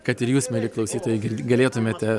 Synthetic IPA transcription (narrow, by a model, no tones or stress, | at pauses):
kɐt̪ɪɾjuːsmʲɛlʲɪklˠɐʊsʲiːt̪oːjɛɪɡʲɪɡɐlʲeːt̪ʊmʲeːt̪ʲɛ